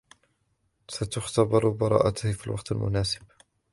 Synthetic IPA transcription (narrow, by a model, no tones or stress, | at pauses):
sat̪ʊxt̪abɑɾˤbɑɾˤɑ̰ːʔat̪ʊhfiːlwɑqt̪almʊ̰naːsɪ̥b̚